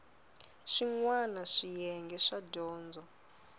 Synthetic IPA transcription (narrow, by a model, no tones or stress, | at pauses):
ʃiŋwanaʂijɛŋɡɛʂaɟɔːnd͡zɔ